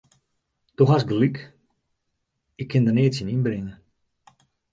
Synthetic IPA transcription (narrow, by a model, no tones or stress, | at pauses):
tɔxasɡdəlik | ɪkʰːɪndəneətsjininbrɪŋə